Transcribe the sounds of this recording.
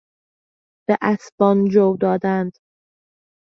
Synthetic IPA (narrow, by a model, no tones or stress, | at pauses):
b̥eʔæsbɒːnd͡ʒowd̪ɒːd̪ænd̪̥